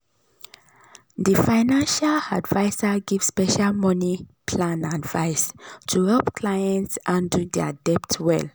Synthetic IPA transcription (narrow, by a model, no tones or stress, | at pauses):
difaɪnãnʃaladvaɪsaɡiv̥spɛʃalmɔnipʰlãnadvaɪstʰuhɛlpkʰlajɛ̃ntsãndudɛadɛptwɛ̰l